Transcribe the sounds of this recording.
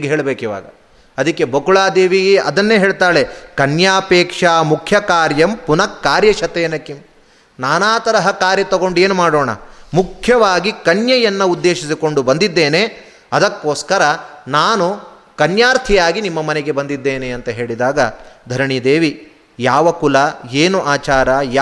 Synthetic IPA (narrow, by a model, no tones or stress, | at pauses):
ɡɦeːɭɐbeːkiʋa̰ːɡɐ | ɐd̪ɐkːe̞bɐkuɭaːd̪eːʋiɡɐd̪ɐnːeːɦeːɭt̪aːɭe̞kɐnjaːpeːkʂaːmukʰjɐkaːɾjɐmpunɐkːaːɾjɐʃɐt̪eːnɐkim | naːnaːt̪ɐɾɐɦɐkaːɾjɐt̪ɐɡo̞ɳɖe̞ːnumaːɽoːɳɐ̰mukʰjɐʋaːɡikɐnjɐjɐnːɐud̪ːeːʃisiko̞ɳɖubɐnd̪id̪ːe̞ːne | ɐd̪ɐkːoːskɐɾɐnaːnu | kɐnjaːɾt̪ʰijaːɡinimːɐmɐneɡe̞bɐnd̪id̪ːeːneɐnt̪ɐɦe̞ːɭid̪aːɡɐd̪ʱɐɾɐɳid̪eːʋi | jaːʋɐkulɐeːnuʔaːt͡ʃaːɾaj